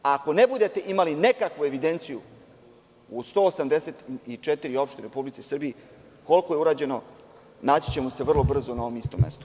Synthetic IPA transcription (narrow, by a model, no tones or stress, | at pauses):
ako̞nebud̪e̞t̪e̞ʔimaline̞kakʋue̞ʋid̪e̞nt̪siju | ust̪o̞ːsamd̪eset̪it͡ʃet̪iɾio̞pʃt̪eɾeɾepublit̪sisr̩biji | ko̞lko̞jeuɾaːd͡ʑe̞no̞ | naːt͡ɕi̥t͡ɕe̞mo̞se̞ʋr̩lˠo̞br̩zonaoomist̪omːḛst̪o̥